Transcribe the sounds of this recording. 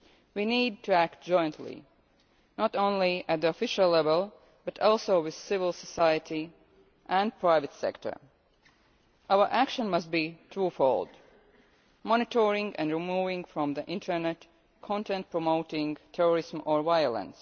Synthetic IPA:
winiːd̚tʰɨæk̚t̚d͡ʒ̥ɔ̃ɪ̃ntʰlḭ | nɔtõʊ̃nliæt̪̚ðiɔfɪʃəllɛvəlˠ | bʌtɔlˠsoʊwɪð̥sɪvəlˠsəsaɪjəti | ʔæ̃n̚pʰɹ̥aɪvɨtsɛ̰ktʰə̰˞ | ʔaʊə˞ʔækʃə̃nmʌst̚bitʰɹuːfolˠd | mɔnɪtʰɔɹɪ̃ŋɡɨ̰̃nɹimuvɪ̃ŋfɹɔ̃mðəʔɪ̃ntʰə˞nɛt | kʰɔ̃ntɛ̃nt̚pʰɹ̥ɔmoʊtɪ̃ŋtʰɛɹəɹɪzmɔɹvaɪələ̰̃ns

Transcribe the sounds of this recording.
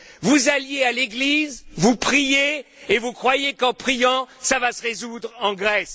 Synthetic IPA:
vuzaljealeɡlizvupχije | evukχwajekɑ̃pχijɑ̃savasəʁezud̪ʁɑ̃ɡʁɛs

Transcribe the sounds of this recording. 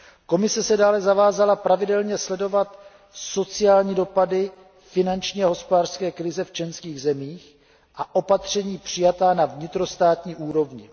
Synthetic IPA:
ko̞mɪsɛsɛdaːlɛzavaːzalapɾavɪdɛlɲɛslɛdo̞vat̪ | so̞t͡sɪjaːlɲiːdo̞padɪ | fɪnant͡ʃɲiːaɦo̞spodaːr̥skɛːkɾɪzɛft͡ʃɛnskiːɣzɛmiːx | ʔaʔo̞pat̪r̝̥ɛɲiːpr̝̥ɪjat̪aːnavɲɪt̪ɾo̞st̪aːt̪ɲiːʔuːɾo̞vɲɪ

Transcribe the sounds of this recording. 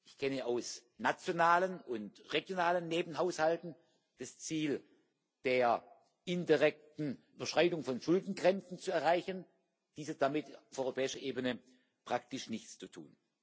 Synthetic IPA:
ʔɪçkʰɛnəaʊsnat͡sjonaːlənʊntʁeɡjonaːlənːeːbn̩ɦaʊshaltn̩ | d̥ast͡siːl | d̥eːɐ | ʔɪndiʁɛk̚tn̩ybɐʃʁ̥aɪdʊŋfɔnʃʊldn̩ɡʁɛnt͡sn̩t͡suɛɐʁaɪçən | d̥iːsɐd̥amɪtafɔʏʁopʰɛːɪʃɐʔeːbənə | pʁ̥ak̚tɪʃnɪçt͡st͡sutʰṵːn

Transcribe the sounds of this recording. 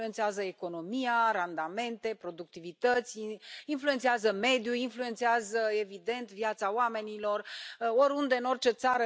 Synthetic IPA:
uent̪seazəeko̞no̞miarand̪ame̞nt̪e̞pɾo̞d̪uk̚t̪ivit̪ət̪sʲinfluent̪seazəme̞d̪juinfluent̪seazəe̞vid̪e̞nt̪vjat̪sawame̞nilo̞ro̞ɾund̪e̞ɨno̞rt͡ʃe̞t̪saɾə

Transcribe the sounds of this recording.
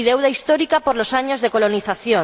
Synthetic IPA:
iðewðaist̪oɾikapoɾlosaɲozðekoloniθaθjo

